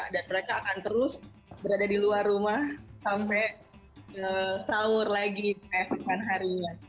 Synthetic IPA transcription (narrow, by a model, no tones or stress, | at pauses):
daniməɾakaːkant̪əɾʊs | bəɾadadiluarumahsampɛ | əsaʊrlaɡikajakikanɦaɾiɲa